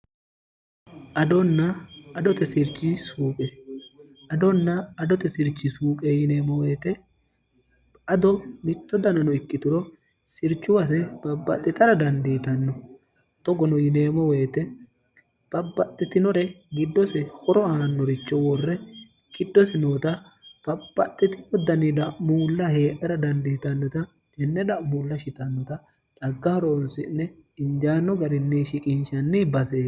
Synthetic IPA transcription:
ʔɐd̪ɔnːɐːd̪ɔt̪ɛsɪɾt͡ʃʼːisuːkʼɛ | ɐd̪ɔnːɐːd̪ɔt̪ɛsɪɾt͡ʃʼːɪsuːkʼɛjɪneːmɔweːt̪ɛ | ɐd̪ɔmɪt̪ːɔd̪ɐnɐnɔɪkːɪt̪ʊɾɔ | sɪɾt͡ʃːʊwɐsɛb̥ɐbːɐ̰t̪ʼːɪt̪ɐɾɐd̪ɐnd̪iːt̪ɐnːɔ | t̪ɔɡɔnɔjɪneːmɔwe̞ːt̪ɛ | b̥ɐbːɐt̪ʼːɪt̪ɪnɔɾɛ | ɡɪd̪ːɔsɛhɔɾɔaːnːɔɾɪt͡ʃːɔwɔrːɛ | kɪd̪ːɔsɛnoːt̪ɐb̥ɐb̥ːɐt̪ːɪt̪ɪɔd̪ɐnɪd̪ɐʔmuːlːɐheːʔɛɾɐd̪ɐnd̪iːt̪ɐnːɔt̪ɐ | d͡ʒɛnːɛd̪ɐʔmuːlːɐʃɪt̪ɐnːɔt̪ɐ | t̪ɐɡːɐhɔɾonsɪnːɛɪnd͡ʒaːnːɔɡɐɾɪnːiʃɪkʼɪnʃɐnːibɐseː

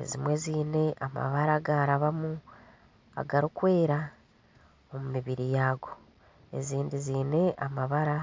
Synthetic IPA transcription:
e̞̰zimwe̞ziːne̞ʔama̰βaɾaɡaːɾaβamu | a̰ɡaɾikwe̞ːɾa | omumiβiɾijaːɡo̞ | e̞̰ziːndiziːne̞ʔamaβaɾa

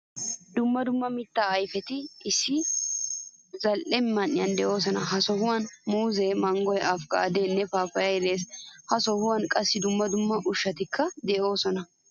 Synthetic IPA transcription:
d̪ʊmːɐd̪ʊmːɐmɪt̪ːaːɐjfɛt̪ɪɪsːɪ | zɐlʔɛmːɐnːɪjɐnd̪ɛʔo̞ːs̬ɔnɐɦɐsɔhʊwɐnmuːzemɐŋɡɔjʔɐfkɐ̰ːd̪eːnːɛfaːfɐjɐjɾeːshɐsɔhʊwɐnkʼɐsːɪd̪ʊmːɐd̪ʊmːɐʔʊʃːɐt̪ɪkʰːɐd̪ɛʔo̞ːsɔnɐ

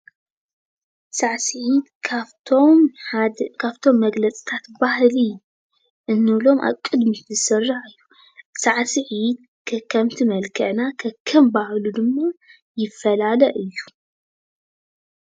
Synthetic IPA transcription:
saʕsɨʕid̪ʰ | om | kʰaβt̪ʰo̞mːɐɡlɐt͡sʼi̥t̪ʰat̪bahli | ʔɨnːɨlo̞mʔa̰kʼːɨd̪mizɨsɨrːaħɨjːu | saʕsɨʕid̪̚ | kʰɐkʰɐmt̪ʰimɐlkʰɐʕnakʰɐkʰɐmbahlud̪ɨmːa | jɪfːɐlalɐʔɨjːu

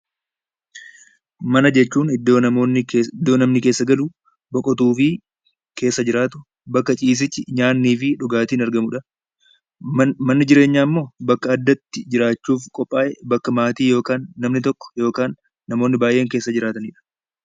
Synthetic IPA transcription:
mɐnɐd͡ʒɛt͡ʃːuːnɪd̪ːoːɐmoːnːɪd̪ːo̞ːnɐmnɪke̞ːsːɐɡɐlu | bɔkʼɔt̪uːfɪ | kʰe̞ːsːɐd͡ʒɪɾaːt̪ʊ | bɐkːɐt͡ʃʼiːs̬ɪt͡ʃːɪɲaːnːiːfɪᶑʊɡaːt̪iːnɐɾɡɐmʊᶑɐ | mɐnːɪd͡ʒɪɾe̞ːɲːaːmːo̞ːbɐkːɐːd̪ːɐt̪ːɪd͡ʒɪɾaːt͡ʃːuːfkʼɔpʼːaːʔɛbɐkːɐmaːt̪iːjo̞ːkaːnːɐmnɪt̪ɔkːɔ̥jo̞ːkaːnː | ɐmo̞ːnːɪbaːjʔe̞ːŋke̞ːsːɐd͡ʒɪɾaːt̪ɐniᶑɐ̥

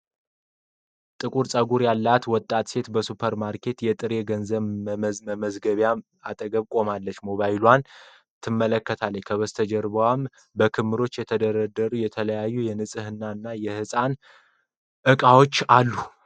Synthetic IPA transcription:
t̪ʼɨkʼuɾsʼəɡuɾjalːat̪wɔt̪ʼːat̪se̞t̪bəsupʰəɾmaɾkʰe̞t̪jɛt̪ʼɨɾe̞ɡənzəβməməzɡəβja | at̪ʼəɡəβkʼo̞malːət͡ʃːmo̞βajilwan | t̪ʰɨmːələkːət̪ʰalːəɲkʰəβəst̪ʰəd͡ʒəɾbəwam | bəkʰɨmːɨɾo̞t͡ʃːjɛt̪ʰəd̪əɾəd̪əɾujɛt̪ʰələjajːujɛnɨsʼɨhɨnːaɨnːajɛhɨsʼan | ʔɨkʼawo̞t͡ʃːalːu

